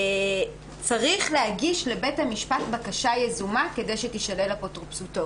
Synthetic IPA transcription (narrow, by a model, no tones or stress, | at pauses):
t͡saʁiχleaɡiʃle̞be̞thamiʃpatbakaʃajezumake̞de̞jʃetiʃale̞lapotʁopsuto̞